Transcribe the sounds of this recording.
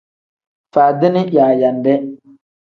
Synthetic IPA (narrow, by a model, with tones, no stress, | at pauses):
faː˨d̪ɪ˦nɪ˦jaː˨ja˨ndɛ˦